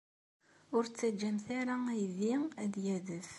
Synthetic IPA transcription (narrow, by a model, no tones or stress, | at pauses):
ʊɾt͡sːæd͡ʒːæmθaɾaæjðiæðjæðəf